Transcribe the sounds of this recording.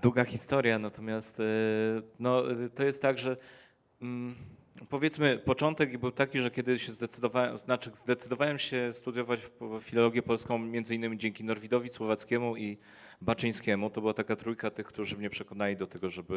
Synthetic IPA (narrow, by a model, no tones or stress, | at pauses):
d̪uɡaxʲist̪ɔɾʲjanat̪ɔmʲjast̪ | nɔt̪ɔjɛst̪ːaɡʐɛ | m̩ | pɔvʲjɛt̪smɘpɔt͡ʂɔnt̪ɛɡbɘwt̪akʲiʐɛkʲɛd̪ɘɕɛzd̪ɛt̪sɘd̪ɔvawɛznat͡ʂɘzd̪ɛt̪sɘd̪ɔvawɛmɕɛst̪ud̪ʲjɔvat͡ɕffʲilɔlɔɡʲjɛpɔlskɔ̃w̃mʲjɛnzɘinːɘmʲid͡ʑɛŋkʲinɔɾvʲid̪ɔvʲiswɔvat̪skʲɛmui | bat͡ʂɛj̃skʲɛmut̪ɔbɘwat̪akat̪ɾujkat̪ɘxkt̪uʐɘmɲɛpʂɛkɔnalʲid̪ɔt̪ɛɡɔʐɛbɘ